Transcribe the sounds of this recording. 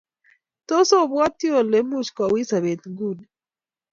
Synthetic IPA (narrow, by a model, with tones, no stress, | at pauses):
to˦so˦˨βwa˦ti˦o˨le˦mu˦ʃkwa˨wi˦sa˨βe˨tŋɡu˦˨ni